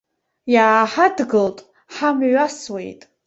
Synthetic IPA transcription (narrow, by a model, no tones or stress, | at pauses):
jaːħadɡɨltʼ | ħamɥʷaswḛjtʼ